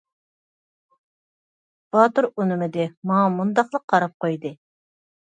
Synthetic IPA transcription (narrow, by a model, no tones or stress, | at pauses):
b̥ɑt̪uɾunɪmɪd̪ɪmɑŋɑmund̪ɑqlˠəqʰːɑɾɑp̚qʰojd̪ɨ